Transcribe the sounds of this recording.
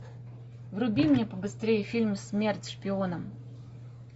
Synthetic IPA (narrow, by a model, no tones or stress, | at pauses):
vɾʊbʲimnʲepəbɨst̪ɾʲejɪfʲilʲmsʲmʲe̞rtʲʂpʲɪonəm